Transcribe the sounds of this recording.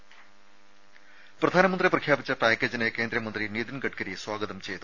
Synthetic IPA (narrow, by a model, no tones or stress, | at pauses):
prɐd̪ʱaːnɐmɐnd̪riprɐkʰjaːbit͡ɕːɐpaːkʲːeːd͡ʑinekeːnd̪ɾɐmɐnd̪rinid̪inɡɐʈkɐɾiswaːɡɐðɐmt͡ɕe̞jt̪u